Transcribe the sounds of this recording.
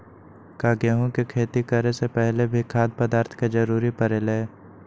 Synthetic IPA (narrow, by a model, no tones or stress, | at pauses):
kaːɡeɦõkekʰeːt̪ikəɾesepɛɦlebʱikʰaːd̪̚pəd̪aːɾt̪ʰked͡ʒəɾuːɾipəɾeːleː